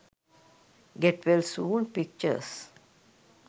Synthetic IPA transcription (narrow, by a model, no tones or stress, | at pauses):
ɡeʈʋelsuːnpik̚t͡ʃə̰ɾs